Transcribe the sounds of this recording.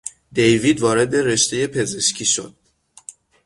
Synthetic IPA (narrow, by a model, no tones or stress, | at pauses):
d̪e̞jviːd̪vɒːɾe̞d̪e̞ɾe̞ʃt̪ʰe̞je̞pʰe̞ze̞ʃcʰiʃo̞̰d̪̥̚